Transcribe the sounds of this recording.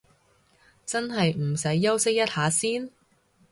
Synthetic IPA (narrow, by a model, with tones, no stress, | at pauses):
t͡sɐ˥nɦɐ˨jm̩˨˩sɐ˨˥jːɐ˥wsɪ˥k̚jɐ˥t̚haː˨˧˥siː˥n